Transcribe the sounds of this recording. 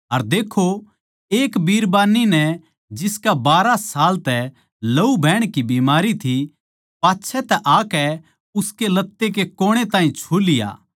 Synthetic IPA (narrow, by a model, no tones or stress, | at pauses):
ɐɾd̪eːkʰo | eːkbiːɾbaːnːinɛ | d͡ʒɪskabaːɾasaːlt̪ɛ | lɐubʱɛːɽ̃kibiːmaːɾit̪ʰi | paːtːʃʰɛt̪ɛʔaːkɛ | ʊskelɐt̪ːek̬ekoːɽ̃et̪ãːɦĩt͡ʃʰuːlɪja̰ː